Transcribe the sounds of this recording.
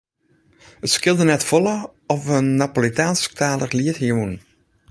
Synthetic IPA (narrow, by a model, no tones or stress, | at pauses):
ətskɪlˠdənɛtfɔlə | ɔfənːapolitaːnsk̚taːlərliətjun